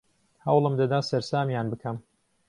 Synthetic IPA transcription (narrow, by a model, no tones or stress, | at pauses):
hɐwlˠɨmd̪ɐd̪aːsɛɾsaːmjaːnbɨkʰɐm